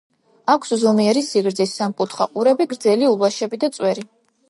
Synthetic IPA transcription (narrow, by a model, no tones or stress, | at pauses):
akʷʰszɔmiɛɾisiɡɾd̪zisːamkʼut̪ʰχaqʼuɾɛbiɡɾd̪zɛliulˠaʃɛbid̪at̪sʼwɛɾi